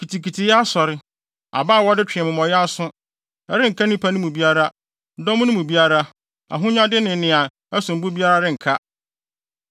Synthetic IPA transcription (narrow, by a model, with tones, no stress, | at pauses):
kʰi˨tʰi˨kʰi˨tʰi˨ja˦sɔ˨ɾɪ˦ | a̰˨baː˦˨wɔ˦dɪ˦t͡ɕʰᶣɪ˨ɛ˨mɪ̃˨m˨ɔ̃˨jɛ˦a˦sʊ̃˦ | ɛ˦ɾɪ˦ŋ̩˨kʰa˦nɪ̃˦pʰa˦nʊ̃˦mũ˨bi˦a˦ɾa˦ | dɔ˦mʊ̃˦nʊ̃˦mũ˨bi˦a˦ɾa˦ | a̰˨ɦʊ̃˦ɲ˦ã˦dɪ˦nɪ̃˨˦nɪ̃˨ã˨ | ɛ˦sʊ̃˨m̩˨bʊ˦bi˦a˦ɾa˦ɾɪ˦ŋ̩˨kʰa˦